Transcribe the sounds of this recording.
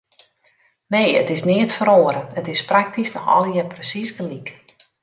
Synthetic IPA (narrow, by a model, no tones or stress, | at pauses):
neːjə̰tɪsnɪətfəɾoːəɾəətɪsprak̚tisnɔxɔ̰lˠjɛprəsisɡəlik